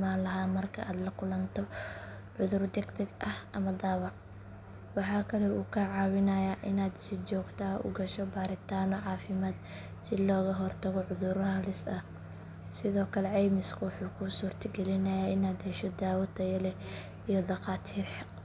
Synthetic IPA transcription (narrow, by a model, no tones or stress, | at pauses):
maːnlɐɦaːmɐrkʰɐaːd̪lɐkʰʊlɐnt̪ʰɔ | ʕʊðʊrd̪ɛɡd̪ɛɡʔɐhɐmɐd̪aːwɑʕ | wɑħɑːkʰɐlɛuːkʰɐʕɑːwɪnɐjaʔɪnaːd̪sɪt͡ʃɔːɡt̪ʰaːʔʊ̰ɡɐʃɔbaːɾɪt̪ʰaːnɔʕɑːfɪmaːd̪ | sɪlɔːɣɐɦɔrt̪ʰɐɣɔʕʊðʊɾhɐlɪsɐh | sɪðɔːkʰɐlɛʕɛjmɪskʰɐwɑħuːkʰʊsuːrt̪ʰɐɡɛlɪnɐjaːɪnaːd̪hɛʃɔd̪aːwɐt̪ʰɐjɐlɛ | ijɔd̪ɐqaːt̪ʰiːrħɑq